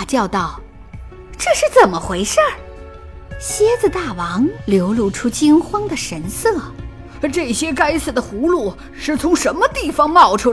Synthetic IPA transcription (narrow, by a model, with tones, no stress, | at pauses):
t͡ɕjɑ˥˧ʊt̪ɑ˥˩ʊ | ʈ͡ʂɤ˥˧ʂɻ̩˥˩t͡sə˨˩nmə˦xwe˧˥ɪʂa˥˩ | ɕjɛ˥d͡zɹ̩˥˧t̪a˥˩wɑ˧˥ŋljo˧˥ʊlu˥˩ʈ͡ʂʰu˥t͡ɕi˥ŋxwɑ˥ŋd̪ə˨ʂə˧˥nsɤ˥˩ | ʈ͡ʂɤ˥˩ɕjɛ˥ka˥ɪs̩˥˩d̪ə˩xu˧˥lu˥˩ | ʂɻ̩˥˩t͡sʰʊ˧˥ŋʂə˧˥nmə˧t̪i˥˩fɑ˧ŋmɑ˥˩ʊʈ͡ʂʰu˥